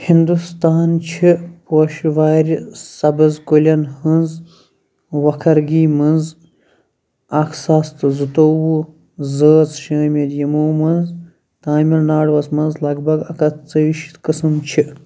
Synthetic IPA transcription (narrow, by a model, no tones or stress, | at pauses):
hind̪ust̪aːnt͡ʃʰipoːʃʋaːɾʲisɐbɨzkolʲɐnhɨnz | ʋɐkʰɐɾɡiːmɐnz | ɐksɐst̪ɨzɨt̪oːwu | zəːt͡sʃɐːmʲɐd̪jɐmoːmɐnz | t̪aːmʲilnaːɖʋɐsmɐnzlɐɡbɐɡɐkɐt̪t͡səiʃi̥t̪kɨsɨmt͡ʃʰi